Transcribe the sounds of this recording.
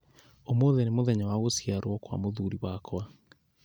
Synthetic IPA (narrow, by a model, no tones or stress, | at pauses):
omoðɛnemoðɛɲawaɣosiaɾwɔkwa̰moðuɾiwakʰwa